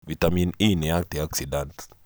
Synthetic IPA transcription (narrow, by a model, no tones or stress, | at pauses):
vitamininiak̚tiaksidant